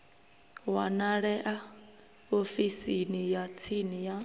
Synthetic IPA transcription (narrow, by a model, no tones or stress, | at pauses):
wanaɺɛʔa | ofisinijat͡sʰinija